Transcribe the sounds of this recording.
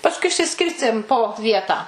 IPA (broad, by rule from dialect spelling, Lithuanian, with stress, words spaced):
pɐsˈkʊɪ ɪʃʲsʲɪˈsʲkʲɪrʲsʲtʲeːm poː ˈʋʲiɛtɑː